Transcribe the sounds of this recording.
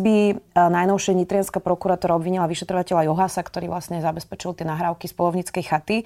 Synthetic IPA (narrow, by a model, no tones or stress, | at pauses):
binajnɔʊʃɛʋɲit̪ɾɪanskapɾɔkuɾaːt̪ɔɾaɔbʋiɲilaʋiʃɛt̪ɾɔʋacɛʎajɔɦasakt̪ɔɾiːʋlasɲɛzabɛspɛt͡ʃilt̪ɪɛnaɦɾaːʊkispɔlɔʊɲit͡skɛjxat̪i